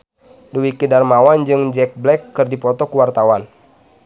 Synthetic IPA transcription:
duwikidarmawand͡ʒɨŋd͡ʒɛk̚blɛkːɨrdipɔt̪ɔkəwart̪awan

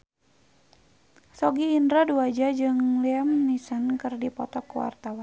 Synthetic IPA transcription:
sɔɡiːndɾaduad͡ʒad͡ʒɨŋliamnisankɨrdipɔt̪ɔkuwa̰rt̪awan

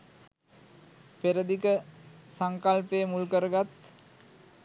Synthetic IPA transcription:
peɾəd̪ikəsaŋkalpejəmulkəɾəɡat̪

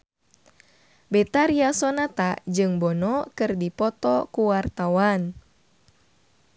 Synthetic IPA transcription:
bɛt̪aɾiasɔnat̪ad͡ʒɨŋbɔnɔkɨrdipɔt̪ɔkuwart̪awan

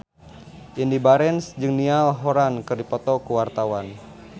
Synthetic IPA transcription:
ʔindibaɾɛnsd͡ʒɨŋnialɦoɾankɨrdipɔt̪ɔkuwart̪awan

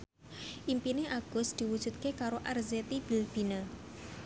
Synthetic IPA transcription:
ʔimpineʔaɡ̥ʊ̤sd̪̥i̤wud̥ʒ̥ṳt̪̚kekaɾoʔarzet̪ib̥i̤lb̥i̤nə

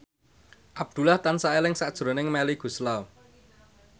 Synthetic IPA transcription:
ʔab̚d̪̥ṳlaht̪ansaelɪŋsaʔd̥ʒ̥ɾo̤nɪŋmɛliɡ̥ṳslaw

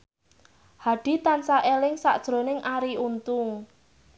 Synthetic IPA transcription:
haɖ̥i̤t̪ansaʔelɪŋsa̰ʔd̥ʒ̥ɾo̤nɪŋʔaɾiunt̪ʊŋ

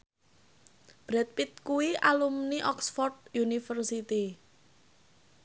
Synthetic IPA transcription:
b̥ɾɛt̪̚pit̪̚kuwiʔalumniʔɔksfɔrd̪̚junifərsit̪i

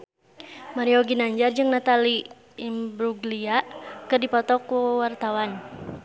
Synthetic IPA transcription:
maɾiɔɡinaɲd͡ʒard͡ʒɨŋnat̪aliː | mbɾuɡliakɨrdipɔt̪ɔkuwart̪awan

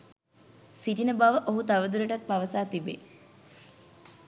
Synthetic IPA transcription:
siʈinəbaʋəʔoɦut̪aʋəd̪uɾəʈɐk̚paʋəsaːt̪ibe

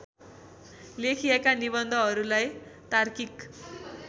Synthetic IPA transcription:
lekʰiekanibʌnd̪ʱʌɦʌɾulajt̪arkik

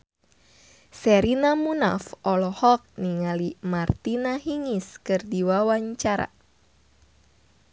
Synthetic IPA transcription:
sɛɾinamuna̰fʔɔlɔhɔk̚niŋalimart̪inaɦiŋiskɨrdiwawaɲt͡ʃaɾa̰

